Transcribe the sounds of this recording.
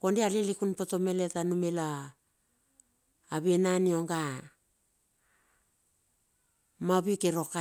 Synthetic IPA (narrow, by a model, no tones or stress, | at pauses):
kondealelikunpoto̞me̞letanumela | βenanio̞ŋɡa | maβikeɾo̞ka